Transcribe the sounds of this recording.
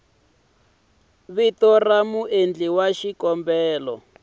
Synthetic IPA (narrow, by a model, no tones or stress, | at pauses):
βitɔramuʔend͡ɮiwaʃikɔmbɛːlɔ